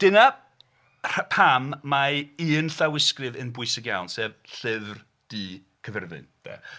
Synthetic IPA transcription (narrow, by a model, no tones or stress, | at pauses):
d̥ɨna | rapʰamːaiːnɬawɪskrɨvənbʊɨsɪɡja̰wnsɛːvɬɪvr | d̥iː | kʰəvɛrvɨ̰nb̥ɛ̰